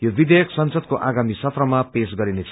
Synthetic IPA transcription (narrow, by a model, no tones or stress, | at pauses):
jobid̪ejʌksʌnsʌd̪̚koʔaɡamisʌt̪rʌmapesɡʌɾinet͡sʰ